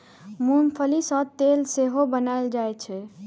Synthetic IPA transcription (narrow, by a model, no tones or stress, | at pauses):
mumpʰəlisə̃t̪elseɦobənajld͡ʒajt͡ʃʰɛ